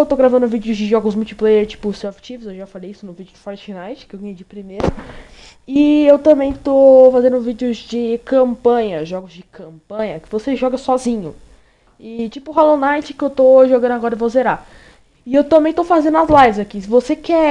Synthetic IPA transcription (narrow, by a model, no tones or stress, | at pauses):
ewt̪owɡɾavɐ̃nd̪ʊvid͡ʒɪʊzd͡ʒɪʒɔɡʊzmult͡ʃi̥plejeɾt͡ʃi̥pʊsewft͡ʃivɪzewʒafalejisʊnʊvid͡ʒɪʊd͡ʒ̪ɪfɔɾt͡ʃnajt͡ʃɪ̥kɪewɡɐ̃jed͡ʒɪpɾimeɾʊ | ɪewt̪ɐ̃mbẽj̃t̪ofazẽnd̪ʊvid͡ʒɪʊzd͡ʒɪkɐ̃mpɐ̃ɲɐʒɔɡʊzd͡ʒɪkʰɐ̃mpɐ̃ɲɐkɪvoseʒɔɡɐsɔzĩɲʊ | ɪt͡ʃipʊɦalõnajt͡ʃɪ̥kɪewt̪oʒoɡɐ̃nʊaɡɔɾɐɪvozeɾa | ɪewt̪ɐ̃mbẽj̃t̪owfazẽnd̪ʊɐzlajvɪzakisɪvosekɛ